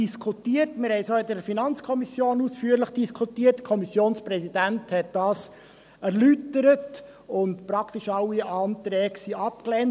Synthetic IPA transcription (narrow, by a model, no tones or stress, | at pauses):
d̥iskʰutiːətmɪɾhɛɪsoːɪdəɾfinɑnt͡skʰɔmisjoːnusfyəɾləχd̥iskʰutiːətkʰɔmisjoːnspɾɛsidænthɛt̚d̥ɑːs | æɾlytəɾət | ʊntpɾɑktiʃɑlːiʔɑːnt̪ɾɛːksiɑp̚klɛːn